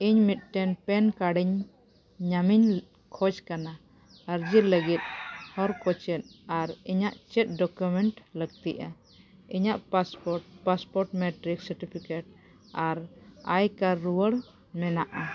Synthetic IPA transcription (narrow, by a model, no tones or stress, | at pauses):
iɲmit̪̚ˀʈɛnpɛnkaɖiɲ | ɲamiɲ | kʰɔd͡ʒkana | əɾd͡ʒiɾləɡit̪̚hɔɾkɔt͡ʃɛt̪̚aɾiɲaʔt͡ʃɛt̪̚ɖɔkjumɛɳʈləɡ̚t̪iʔa | iɲaʔpaspɔɾʈ̚paspɔɾʈmɛʈɾiksəɾʈipʰikeʈ̚ | aɾajkaɾuwəɽ | mɛnaʔa